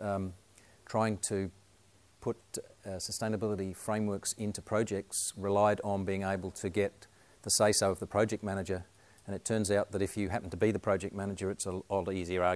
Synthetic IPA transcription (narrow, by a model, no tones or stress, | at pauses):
tʰɹ̥aɪɪ̃ŋtʰɨ | pʰʊt̪̚səstẽɪ̃nəbɪlˠəɾifɹẽɪ̃mwɜ˞ksɪ̃ntʉpʰɹ̥ɑʊd͡ʒɛk̚tsɹɨlaɪɾn̩biɪ̃ŋeɪbl̩ˠtʰɨɡɛt̪̚ | ðəseɪsoʊʌvðəpʰɹ̥ɑʊd͡ʒɛk̚t̚mæñɨd͡ʒə˞ | ɨ̃nɨtʰɜ̃˞nzaʊt̪̚ðɨɾɨfjɨɦæpn̩tʰəbiðɨpʰɹ̥ɑʊd͡ʒɛk̚t̚mænɨd͡ʒə˞ɨtsəɔlˠiziə˞ɑ